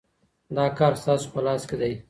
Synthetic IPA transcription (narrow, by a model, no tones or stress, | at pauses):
d̪ɑːkɑːɾst̪ɑːso̥pəlɑːsked̪aj